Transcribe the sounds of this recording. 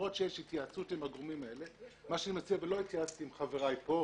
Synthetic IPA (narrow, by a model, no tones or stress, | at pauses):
ʁo̞tʃejeʃhit̪jaːt͡sutimhaɡʁomimae̞lemaʃanimat͡siavelo̞it̪jaat͡st̪iimχaveʁajpo̞